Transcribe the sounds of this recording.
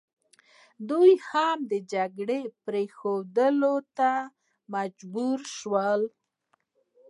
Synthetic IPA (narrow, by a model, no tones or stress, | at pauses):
d̪ujhamd̪əd͡ʒaɡɽepɾexod̪əlot̪a | mad͡ʒbuɾʃwəl